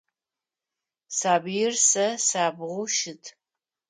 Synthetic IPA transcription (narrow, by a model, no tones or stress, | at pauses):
saːbijɪrsɐsaːbʁʷʊʃɪtʰ